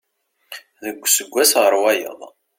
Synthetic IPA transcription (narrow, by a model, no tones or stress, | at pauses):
ðəɡʷːsəɡʷːæsʁəɾˤwæjə̰ðˤ